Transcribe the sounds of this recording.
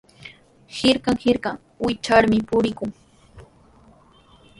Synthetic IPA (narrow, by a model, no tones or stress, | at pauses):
hɪɾkɑŋhɪɾkaŋ | wɪt͡ʃaɾmɪpʊɾɪkʊŋ